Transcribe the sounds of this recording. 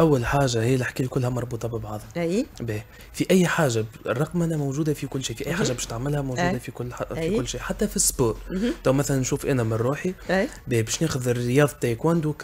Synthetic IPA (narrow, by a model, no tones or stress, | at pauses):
ʔæwːalħaːʒahijːælɪħkiːlkʊlːhæmɑɾˤbuːt̪ˤɑbəbɑʕðˤijbɛː | fiʔæjːħaːʒa | rˤɑqmʔænæmowʒuːd̪afikʊlːʃiːfiʔæjːħaːʒabɛːʃt̪aʕmɪlhæmoʒuːd̪afikʊlːikʊlːʃiːʔħat̪ːæfisːboːɾˤt̪ɑwmæθælænːʃuːfʔænæmɪnɾuːħibɛːbɛːʃneːxʊðɪrɪjɑːðˤɑt̪ːæjkwænd̪uk